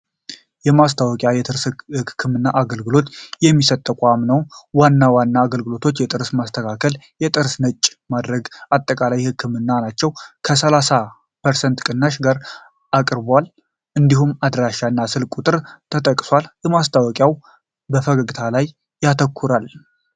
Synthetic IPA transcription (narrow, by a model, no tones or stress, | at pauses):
jɛmast̪ʰawɔkʼjajɛt̪ɨɾshɨkʰːɨmɨnːaʔaɡəlɡɨlo̞t̪jɛmːisət̪ʼːəkʷʼamnəwwanːawanːaːɡəlɡɨlo̞t̪ʰo̞t͡ʃːjɛt̪ʼɨɾsmast̪ʰəkʰakʰəljɛt̪ʼɨɾsnət͡ʃʼːmad̪ɾəɡʔat̪ʼːəkʼalajhɨkːɨmɨnːanat͡ʃːɛwkʰəsəlasa | pʰəɾsɛnt̪kʼɨnːaʃɡaɾ | akʼɾbwal | ʔɨnd̪iɦumad̪ɾaʃanːasɨlkʼut̪ʼɨɾt̪ʰət̪ʼəkʼːswaljɛmast̪ʰawɔkʼjaw | bəfəɡəɡɨt̪ʰalajː | at̪ʰəkʰːuɾal